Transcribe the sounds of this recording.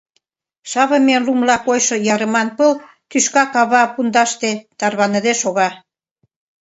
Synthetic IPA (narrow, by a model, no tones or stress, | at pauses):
ʃɑβə̆menlumlɑkojʃŏjɑɾə̆mɑnpəl | k̪yʃkɑkɑβɑpund̪ɑʃt̪et̪ɑrβɑnəd̪eʃoɣɑ